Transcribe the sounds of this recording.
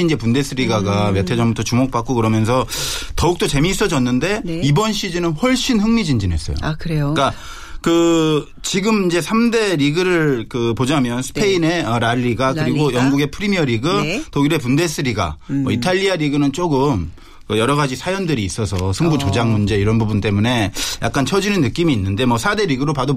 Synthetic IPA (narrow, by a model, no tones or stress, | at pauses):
ind͡ʑe̞punde̞s͈ʰɯɾiɡaɡamjʌtʰe̞d͡ʑʌŋbutʰʌt͡ɕumok̚p͈ak͈okɯɾʌmjʌnsʰʌtʌuk̚t͈ʌt͡ɕe̞miːs͈ʌd͡ʑʌnːɯnde̞nibʌnɕʰid͡ʑinɯnɸʌɭɕ͈inhɯŋmid͡ʑind͡ʑine̞s͈ʌjo̰akɯɾeoka | kɯ | t͡ɕiɡɯmind͡ʑe̞sʰamde̞ɾiɡɯɾɯɭkɯpod͡ʑamjʌnsʰɯ̥pʰe̞ine̞ʌɾaʎːiɡakɯɾiɡojʌŋɡuɡe̞pʰɯɾimiʌɾiɡɯtoɡiɾe̞punde̞s͈ʰɯɾiɡa̰mʌitʰaʎːiaɾiɡɯnɯnt͡ɕ͈oɡɯm | kɯjʌɾʌɣad͡ʑisʰajʌndɯɾiːs͈ʌsʰʌsʰɯŋbut͡ɕod͡ʑaŋmund͡ʑe̞iɾʌnbubunt͈e̞mune̞ja̰k͈ant͡ɕʰʌd͡ʑinɯnːɯk͈imiːnːɯnde̞mwʌsʰade̞ɾiɡɯɾopado